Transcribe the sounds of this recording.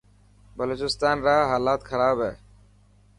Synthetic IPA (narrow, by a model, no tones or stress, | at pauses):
bəloːt͡ʃɪst̪aːnɾaːɦaːlaːt̪kʰəɾaːbɦɛː